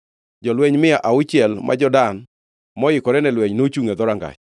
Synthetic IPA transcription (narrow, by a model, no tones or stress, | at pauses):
d͡ʒɔlwɛɲmɪaʔaʊt͡ʃɛlmʔa̰d͡ʒɔdan | mɔɪkɔɾɛnɛlwɛɲnot͡ʃuŋɛd̪ɔɾaŋɡa̰t͡ʃ